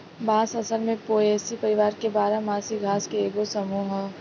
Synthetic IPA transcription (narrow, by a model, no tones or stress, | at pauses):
baːsɐsəlmẽpoːeːsipɐɾɪʋaːɾkebaːɾamãːsiɡʱaːskeeːɡosəmuːɦ